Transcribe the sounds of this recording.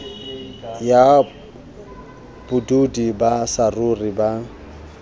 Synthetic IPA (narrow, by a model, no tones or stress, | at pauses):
ja | b̥ʊdudibasarʊriba